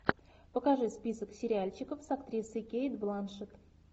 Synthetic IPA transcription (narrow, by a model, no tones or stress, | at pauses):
pəkaʐɨspʲisəksʲɪɾʲɪalʲt͡ɕɪkəfsakt̪ɾʲisɨkʲejd̪blˠanʂɨt̪